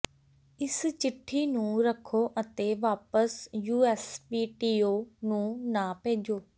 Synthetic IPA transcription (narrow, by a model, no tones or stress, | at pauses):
ɪst͡ʃɪʈʰːiːnũːɾəkʰːoːʔət̪eːʋaːpəsjuːɛːspiːʈiːoːnũːnãːpẽːd͡ʒoː